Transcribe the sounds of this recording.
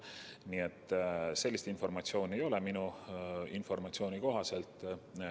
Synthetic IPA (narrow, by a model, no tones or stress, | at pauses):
niet̪ːˑse̞lːist̪info̞rmɑtsio̞ːnʲe̞jo̞le̞minuinfo̞rmɑt̪sio̞ːnʲiko̞ɦɑse̞lt̪ˑ